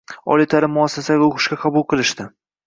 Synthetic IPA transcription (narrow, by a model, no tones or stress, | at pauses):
ɒ̰lˠɪt̪ʰaɾɪmʊasːasaɡʲaʊqɨ̥ʃkʲaqʰɑbʊlˠqʰɨlˠɪʃt̪ɪ